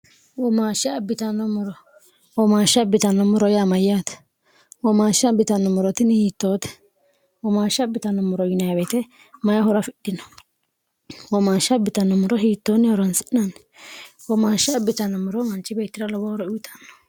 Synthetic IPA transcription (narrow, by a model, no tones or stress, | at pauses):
wɔmaːʃiɐbːɪt̪ɐnːɔmɔɾɔ | wɔmaːʃɐbːɪt̪ɐnːɔmʊɾɔjamɐjat̪ɛ̥ | wɔmaːʃɪɐbːɪt̪ɐnːɔmɔɾɔt̪ɪnɪhiːt̪ːoːt̪ɛ̥ | wɔmaːʃɪɐbːɪt̪ɐnːɔmɔɾɔjɪnabɛt̪ɛ | mɐjahɔɾɐfɪɗːɪnɔ̥ | wɔmaːʃɐbːɪt̪ɐnːɔmɔɾɔɦiːt̪ːoːnːɪhɔɾɔnsɪnɐnɛ | wɔmaːʃɪɐbːɪt̪ɐnːɔmɔɾɔmɐnt͡ʃʼːɪbeːt̪ːɪɾɐlɔwɔhɔɾɔʊwɪt̪ʰɐ̥nːɔ̥